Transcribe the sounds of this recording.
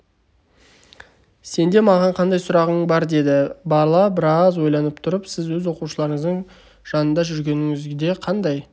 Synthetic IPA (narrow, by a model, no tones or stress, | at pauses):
se̞nd̪e̞mɑʁɑɴqʰɑnd̪ɑjsʊɾɑʁəɴbɑɾd̪e̞d̪ɪbɑɾlˠɑbɪɾɑzwo̞jlˠɑnəpt̪ʰʊɾəpsɪzwɵzwo̞quʃəlˠɑɾəɴəzd̪əɴ | ʒ̥ɑnənd̪ɑʒʏɾɡʲe̞nɪŋɪzd̪e̞qʰɑnd̪ɑj